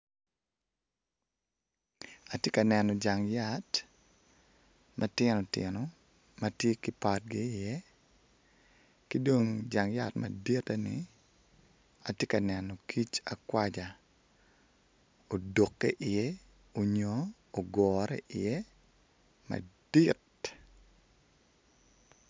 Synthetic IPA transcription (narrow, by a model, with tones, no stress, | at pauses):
a˨tje˦ka˨nɛ˨nɔ˨d͡ʒa˨ŋja˦t | mʔa˦tjɪ˦nɔ˨tjɪnɔ | ma˦tje˦kɪ˦pat̚ɡɪː˦˨jɛ˦ | ki˦do˦ŋd͡ʒa˨ŋja˨tma̰˨di˦ta˦nɪ̰ | a˨tje˦ka˨nɛ˨nɔkʰi˦t͡ʃa˨kwad͡ʒa˨ | o˨do˨kːɛ˦ʔɪ˨jɛ˦ | o˨ɲoː˨ | ɡɔːɾɛ̰ʔɪjɛ˦ | ma̰˨d̥it